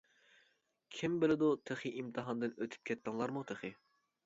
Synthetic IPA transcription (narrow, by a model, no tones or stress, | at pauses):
kʲʰimbɪlɪd̪ut̪ʰeχiʔimt̪ʰɨɦɑnd̪ɨnøt̪ʰy̥p̚kʲʰɛt̪̚kɪŋlˠɑɾmut̪ʰeχi